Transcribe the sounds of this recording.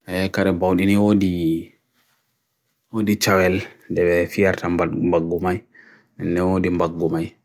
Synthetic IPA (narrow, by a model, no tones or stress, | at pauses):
ɛkaɾɛbawɗiniwodi | wodit͡ʃawɛldɛɓɛfijaɾtaambaɡːumaj | ɛndɛnwodimbaɡːumaj